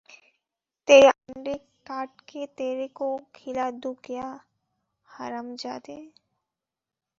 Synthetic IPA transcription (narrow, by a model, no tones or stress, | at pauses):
t̪eːɾaɳɖe | kaːʈket̪eːɾekokʰɪlad̪ukja | haɾəmd͡ʒaːt̪e